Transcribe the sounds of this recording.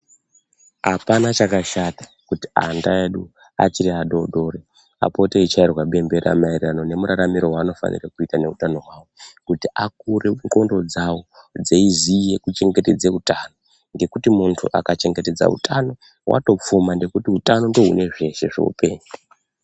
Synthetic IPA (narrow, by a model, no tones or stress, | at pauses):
ɦapanat͡ʃakaʃatḁ | kuti̥a̰ndaeɗu | a̰t͡ʃiɾiaɗo̞ɗo̞ɾe | a̰po̞teit͡ʃairwaɓe̞mbe̞ɾa̰mairrano̞ne̞muɾaɾamiɾo̞ɦwaːno̞fa̰nḭrakuitane̞utano̞ɦwaːwokutiʔak̚ureko̞ndo̞d͡zawod͡zeizije̞kut͡ʃe̞ŋɡe̞te̞d͡zeutano̞ | ŋɡe̞kutimuntʰṵʔa̰kat͡ʃe̞ŋɡe̞te̞d͡za̰ṵtʰano̞ | wʔa̰to̞p͡fumande̞kutiutano̞ndo̞ɦṵne̞ʐe̞ʃe̞ʐo̰ṵpe̞̰ːɲu